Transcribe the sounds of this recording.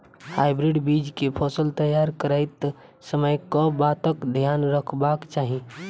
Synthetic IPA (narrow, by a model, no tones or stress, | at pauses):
hajbɾiɖbid͡ʒkepʰɔsəlt̪əjaɾkəɾaɪt̪səməjkɔbat̪əkd̪ʱjanɾəkʰbakt͡ʃaɦi